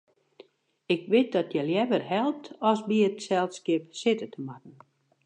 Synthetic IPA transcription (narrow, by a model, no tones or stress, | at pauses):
ɪkʋɪt̚dɔtjəljɛʋərɦɛlˠp̚tʰɔsbiətsɛlˠskɪpsɪtətəmatn̩